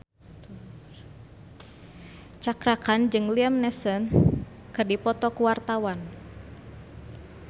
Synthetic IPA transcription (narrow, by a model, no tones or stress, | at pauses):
t͡ʃakɾakand͡ʒɨŋliamnɛsən | kɨrdipɔt̪ɔkuwart̪awan